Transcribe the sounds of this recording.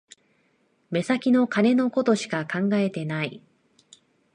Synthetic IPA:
me̞sakʲino̞kane̞no̞ko̞t̪o̞ɕi̥kakãŋɡae̞t̪e̞nai

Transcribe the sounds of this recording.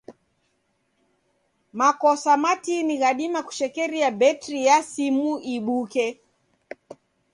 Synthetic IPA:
makɔsamatiniɣaɗimaku̥ʃɛkɛɾiabɛtɾijasimuiɓukɛ

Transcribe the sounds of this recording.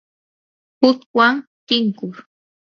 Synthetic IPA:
hʊt̪waŋt̪ɪŋkʊɾ

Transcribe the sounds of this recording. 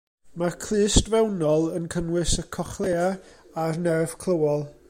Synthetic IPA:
markʰl̥ɨːstvɛwnɔlˠənkʰənwɨsəkʰɔχlˠeːaarnɛrv̥kʰlˠəwɔlˠ

